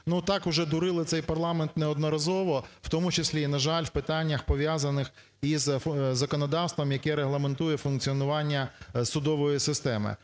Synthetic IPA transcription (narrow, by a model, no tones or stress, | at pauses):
nut̪ɑkʊʒɛd̪ʊɾɪlˠɪt̪sɛjpɐrlˠɑment̪neɔd̪nɔɾɐzɔʋɔwt̪ɔmʊt͡ʃɪsʲlʲinɐʒɑlʲwpɪt̪ɑnʲːɐxpɔʋʲjazɐnɪx | izzːɐkɔnɔd̪ɑwst̪ʋɐmjɐkɛɾeɦlˠɐment̪ujɛfʊnk̚t͡sʲiɔnʊʋɑnʲːɐsʊd̪ɔʋɔjisɪst̪ɛmɪ̰